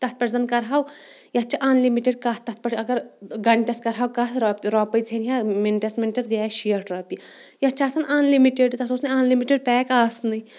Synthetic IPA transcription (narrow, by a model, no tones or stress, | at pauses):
t̪ɐt̪̚pɐʈzɐnkɐɾɦaːw | jɐt͡ʃʰaʔaːnlimiʈeɖkɐtt̪ɐt̪̚ʰpɐʈɐɡɐɾɡɐɳʈʲɐskɐɾɦaːwkɐt̪ɾpɾaːpɐjt͡sʰenjamenʈɐsmenʈesɡaːʃiɐʈɾaːpijɐt͡ʃʰaːsɐnaːnlimiʈeɖt̪ɐsosnɐaːnlimiʈeɖ̚pɛːkaːsnɐi